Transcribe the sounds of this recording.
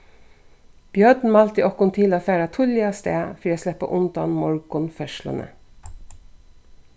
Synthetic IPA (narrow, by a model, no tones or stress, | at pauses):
b̥jœd̪n̩mɑlt̪ḭːʔɔkʊnt̪ʰɪlɑfæːɾɑt̪ʰʊljɑst̪ḛːfɾiːɑslɛpə̰ʔʊnd̪ɑnmɔɹɡʊnfœʃlə̰nə̰